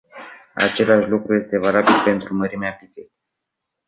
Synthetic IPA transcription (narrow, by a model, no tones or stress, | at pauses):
a̰t͡ʃe̞laʃlukɾuje̞st̪e̞valabilpe̞nt̪ɾuməɾimeapit̪sej